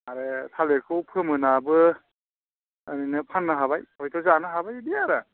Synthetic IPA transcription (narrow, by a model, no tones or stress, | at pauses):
aɾetʰaleɾkʰɯwpʰɯmɯnabɯ | ninɯpʰanːɯɦaβajhɔjtʰɔzanɯɦabajbiaɾa